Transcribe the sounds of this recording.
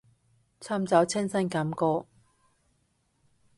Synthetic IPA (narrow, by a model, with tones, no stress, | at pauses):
t͡sʰaː˥mt͡sɐ˨˥wt͡sʰɪ˥ŋsɐ˥nkɐ˨˥mkɔː˧